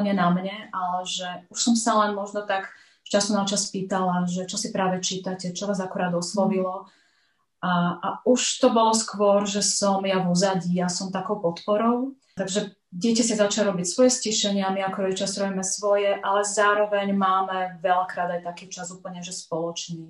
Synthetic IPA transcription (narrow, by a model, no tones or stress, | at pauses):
ɲɛnamɲɛʔalɛʒɛuʃsɔmsalɛnmɔʒnɔt̪aɡ | t͡ʃasunat͡ʃaspiːt̪alaʒɛt͡ʃɔsipɾaːʋɛt͡ʃiːt̪acɛt͡ʃɔnaːzakɔɾaːd̪ɔslɔʋilɔ | aʔauʃt̪ɔbɔlɔskʋʊɔɾʒɛsɔmjaʋɔzaɟijasɔmt̪akɔʊpɔt̪pɔɾɔʊ | t̪aɡʒɛ | ɟɪɛcas̬izat͡ʃalɾɔbicsʋɔjɛsciʃɛɲɪaamiakɔɾɔɛt͡ʃasɾɔbimɛsʋɔjɛʔalɛzaːɾɔʋɛɲmaːmɛʋɛlakɾaːd̪ajt̪akiːt͡ʃazuːpl̩ɲɛʒɛspɔlɔt͡ʃniː